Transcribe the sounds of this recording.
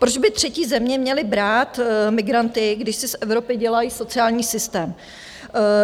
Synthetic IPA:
pɾod͡ʒbɪt̪r̝̥ɛciːzɛmɲɛmɲɛlɪbɾaːt̪mɪɡɾant̪ɪɡdɪʃsɪsʔɛvɾo̞pɪɟɛlajiːso̞t͡sɪaːlɲiːsɪst̪ɛːm

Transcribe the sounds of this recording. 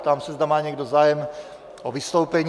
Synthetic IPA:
t̪amsɛzd̪amaːɲɛɡdozaːjɛm | ʔovɪst̪owpɛɲ

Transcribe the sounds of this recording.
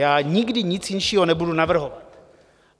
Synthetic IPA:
jaːɲɪɡdɪɲɪt͡sjɪnʃiːɦonɛbudunavr̩ɦovat̪

